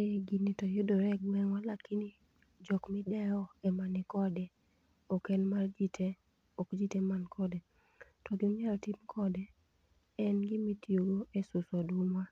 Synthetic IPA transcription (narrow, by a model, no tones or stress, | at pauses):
eɡinitɔjʊdoɾɛɡwɛŋwalakini | d͡ʒɔkmɪdɛjɔɛmanɪkɔdɛ | ɔkɛnmard͡ʒitʰe | ɔkd͡ʒitemankʰɔdɛ | tɔɡɪoɲalɔtimkʰɔdɛ | ɛnɡɪmitjoɾwoʔesʊsɔdumwa